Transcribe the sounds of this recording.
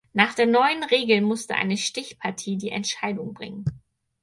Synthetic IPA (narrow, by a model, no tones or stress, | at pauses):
naːχd̥eːɐnɔʏənʁeːɡl̩mʊstəʔa̰ɪnəʃtɪçpʰaɐtʰiːdiːʔɛ̰ntʃaɪdʊŋbʁɪ̰ŋən